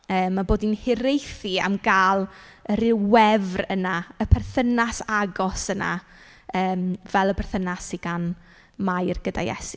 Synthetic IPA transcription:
əːmːaboːdinhɪɾejθia̰mɡaːlˠ | əɾɪwɛvrənaəpʰɛrθənasaɡɔsəna̰ | əːmvɛlˠəpʰɛrθənasiɡan | majrɡəda̰jɛ̰si

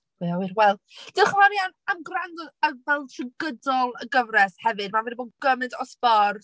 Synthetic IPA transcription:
wiawɪɾwɛlˠ | d̥ɨχəvanjanamɡranɡɔdəvɛlˠtʰrɪɡədɔlˠəɡəvrɛshɛvɨd̚mavɛdiboːdɡəmɨdɔsbɔr

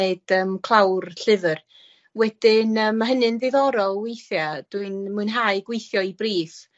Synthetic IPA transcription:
eɨd̥əmkʰlˠawrɬɪvər | wɛd̥ɪnəːmːaɦənɨnðɪðɔɾɔlˠwejθjad̥wiɨnmuɨnɦaɨɡwejθjɔibriːθ

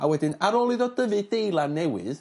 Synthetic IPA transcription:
awɛdɪnaɾɔːlˠɨðɔdəvɨdejlˠanɛwɨ̰ð

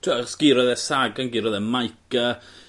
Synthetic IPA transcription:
tʰuɔsɡ̥ɪɾɔðɛsaɡanɡɪɾɔðɛmajkʰa

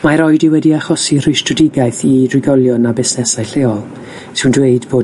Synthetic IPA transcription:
maɾɔɨdɪwɛdiaχɔsir̥ɪjstrɔdɪɡaɨθirɪɡɔlˠjɔnabɪsnɛsajɬeːɔlˠ | sʰɪwndweɨdboː

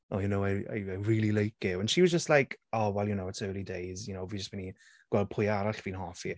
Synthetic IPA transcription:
ʔojunowaa̰jajɹiːlˠilejk̚ɪvə̃nʃiwʌzd͡ʒəstlˠajkɔwɛljunowətʰəwlidejzjʊnowviːd͡ʒəsmɛni | ɡ̥wɛlˠd̚pʰʊjaɾaɬviːnɦɔfi

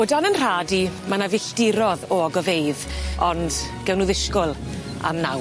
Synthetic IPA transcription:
odanənr̥aːdimanavɪɬd̥ɪɾɔðɔɡɔveɨðɔnd̥ɡ̥ɛwnʊðɪʃkʊlˠ | a̰mna̰w

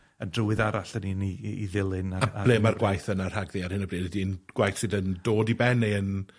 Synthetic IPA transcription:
əndrʊwɨðaɾaɬəniniiðɪlˠɪnaaablemarɡwajθənarhaɡðiarhɪnəbriːdɛdinɡ̥wajθsɨdəndoːdibɛnejən

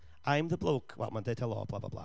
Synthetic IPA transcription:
ãj̃mðəblˠoːkʰwɛ̰lˠmãndetʰɛlˠɔ̰ːb̥lˠa̰bla̰bla̰

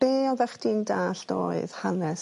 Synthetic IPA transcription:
reːɔðɛχd̥indaːɬd̥o̰ːɨð̥hanɛs

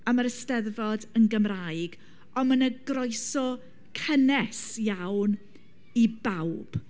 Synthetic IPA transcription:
əməɾəstɛðvɔdənɡəmrajɡ | ɔmənəɡrɔjsɔ | kʰənɛsjawn | ibawb̥

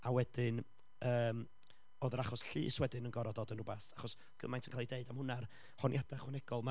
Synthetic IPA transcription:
awɛd̥ɪn | əːm | oðəɾaχɔsɬḭːswɛdɪnənɡɔɾɔdɔdənrʊbaθaχɔs | ɡ̥ə̰majntʰənkʰalˠideɨdamhʊnar | hɔnjad̥aχwɛnɛɡ̥ɔlˠma

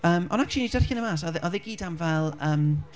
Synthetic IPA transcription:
əːmɔnak̚t͡ʃʊlˠinidərxɪnəmaːsɔðʔɔðɪɡiːdamvɛlˠəːm

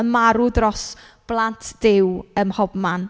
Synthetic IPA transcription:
əmaɾʊdrɔs | b̥lˠantʰd̥ɪwəmhɔbman

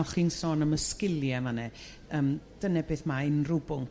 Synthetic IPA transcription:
ɔχiːnsoːnəməskɪljɛmanɛ | əːmd̥ənɛbeːθmaɪnrʊbʊŋk

